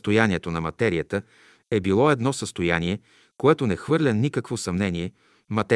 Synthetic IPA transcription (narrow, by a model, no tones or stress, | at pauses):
t̪ojaniɛt̪onɐmɐt̪ɛɾiət̪ə | ɛbilˠɔɛd̪nɔsəst̪ojanʲiɛ | koɛt̪onɛxvɤɾlʲənikəkvosɐmnɛniɛ | mɐt̪ɛ